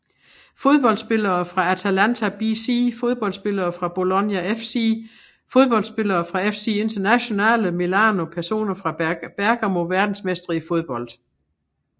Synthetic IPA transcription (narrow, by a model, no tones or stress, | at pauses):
fo̝ð̞ˠb̥ɒ̽l̰d̥sb̥e̝lɐːfʁɑ̈æt͡sʰælænt͡sʰæb̥isifo̝ð̞ˠb̥ɒ̽l̰d̥sb̥e̝lɐːfʁɑ̈b̥o̝lonjæefsi | fo̝ð̞ˠb̥ɒ̽ld̥sb̥e̝lɐːfʁɑ̈efsie̝nd̥ɐnæɕo̝nɛ̰ːləmilɑːno̝pʰæɐso̝̰ːnɐfʁɑ̈b̥æɐɡ̥æmo̝ʋæɐd̥n̩smesd̥ʁiifo̝ð̞ˠb̥ɒ̽l̰d̥